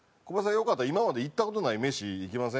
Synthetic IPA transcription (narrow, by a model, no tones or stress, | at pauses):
kobas̬ãjo̞kat̪ːaimamad̪e̞it̪ːako̞t̪o̞naime̞ɕiːkʲimas̬ẽ